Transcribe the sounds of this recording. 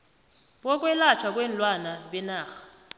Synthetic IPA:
ɓɔk̬ʼwɛlat͡ʃʰwak̬ʼwɛnlwanaɓɛnaːxḁ

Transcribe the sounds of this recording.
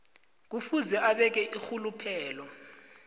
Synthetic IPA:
k̬ufuzɛʔaɓɛk̬ɛʔixulupʰɛːlɔ

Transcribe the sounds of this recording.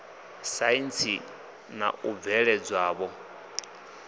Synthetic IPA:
saint͡sʰi | na̰ʔub̪vɛɺɛd͡zwaːβɔ

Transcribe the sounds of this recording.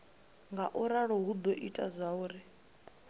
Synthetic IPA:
ŋɡaʔuɾaɺɔɦud̪ɔʔitʼazʷauːɾɪ

